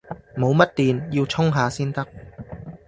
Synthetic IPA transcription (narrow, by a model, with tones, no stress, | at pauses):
mo˨˧wmɐ˥t̚t̪iː˨njiː˧wt͡sʰʊ˥ŋɦaː˨˧siː˥nt̪ɐ˥k̚